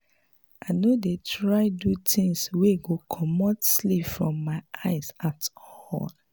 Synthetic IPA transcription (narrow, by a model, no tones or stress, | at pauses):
ʔaɪnodetʰɹaɪdutĩŋsweɡokʰɔmɔtslipfɹɔ̃mːaɪʔaɪsatɔɔl